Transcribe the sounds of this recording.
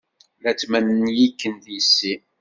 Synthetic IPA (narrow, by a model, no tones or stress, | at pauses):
ðæt͡sːmænnjikːənðisːi